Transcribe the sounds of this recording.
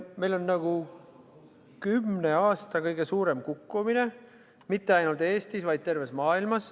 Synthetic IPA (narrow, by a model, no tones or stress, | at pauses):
me̞jlo̞nːɑɡ̥u | kymne̞ɑːst̪ɑkɤjɡe̞suːɾe̞mkukːumine̞ | mit̪ːe̞ɑjnult̪eːst̪isvɑjd̪̥̚t̪e̞rve̞smɑːilmɑs